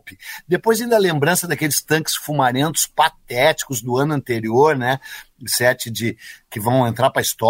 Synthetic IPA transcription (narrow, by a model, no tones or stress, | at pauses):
pɪd̪epojzĩd̪ɐlẽmbɾɐ̃sɐd̪ɐkelɪst̪ɐ̃ŋkɪ̥sfumamẽnt̪ʊ̥spat̪ɛt͡ʃi̥kʊzd̪ʊɐ̃nʊɐ̃nt̪eɾioɾnɛ | sɛt͡ʃɪd͡ʒɪkɪvɐ̃w̃ẽnt̪ɾaɾpɾɐist̪ɔ